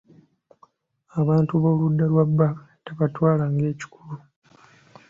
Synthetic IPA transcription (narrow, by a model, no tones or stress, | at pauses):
aβaːntuβo̞ːludːalwabːa | teβatwaːlaŋɡe̞ːci̥kulu